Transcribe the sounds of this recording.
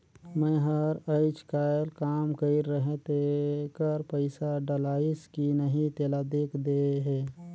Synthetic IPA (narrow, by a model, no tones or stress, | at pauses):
mẽɦəɾəɪt͡ʃkaːəlkaːmkəɪɾːəɦet̪ekəɾpəɪsaɖəlaːɪskinəɦĩt̪eːlad̪eːkʰd̪eɦeː